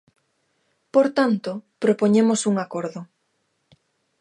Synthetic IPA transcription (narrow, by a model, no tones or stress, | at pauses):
poɾt̪ant̪opɾopoɲemosuŋakoɾðʊ